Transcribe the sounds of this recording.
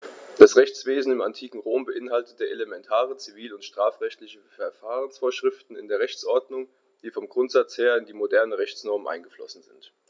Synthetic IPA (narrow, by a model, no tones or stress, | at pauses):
d̥asʁɛçt͡sv̥eːzn̩ɪmantʰiːkŋ̩ʁoːmbəʔɪnɦaltətəʔelemɛntʰaːʁət͡siviːlʊntʃtʁ̥aːfʁɛçtlɪçəfɛɐfaːʁənsfoːɐʃʁ̥ɪftn̩ɪ̰ndeːɐʁɛçt͡sʔɔɐdnʊŋ | d̥iːfɔmɡʁʊntz̥at͡sheːɐɪndiːmodɛɐnəʁɛçt͡snɔɐmnʔa̰ɪnɡəflɔ̰sn̩zɪ̰nt